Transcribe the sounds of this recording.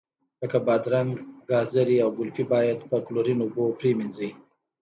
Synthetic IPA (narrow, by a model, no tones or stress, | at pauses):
ləkabɑd̪ɾaŋɡɡɑzaɾiawɡʊlpibɑjad̪pəkloɾinʊbopɾeminzi